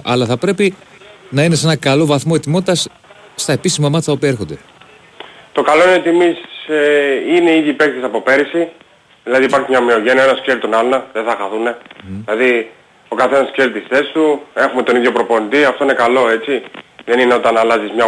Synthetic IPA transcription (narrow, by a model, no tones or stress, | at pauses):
ʔɐ̰lɐθɐpɾe̞pi | nɐine̞s̬enɐkɐlo̞vɐθmo̞et̪imot̪ɐs | st̪ɐe̞pisimɐmɐt̪t̪ɐopiɐexo̞nd̪e̞ | t̪o̞kaloinet̪imiseineiðipekt̪isɐpo̞pe̞ɾisi | ðilɐðipɐɾçimɲɐmio̞ʝe̞niɐenɐsceɾit̪onɐlonɐðeθɐxɐθune̞ilɐði | o̞kɐθe̞nɐsçeɾit̪isθe̞st̪ue̞xumet̪o̞niðʝo̞pɾo̞po̞nit̪iɐft̪o̞ine̞kalo̞e̞t͡siðe̞nineo̞t̪ɐnɐlɐzizmɲɐ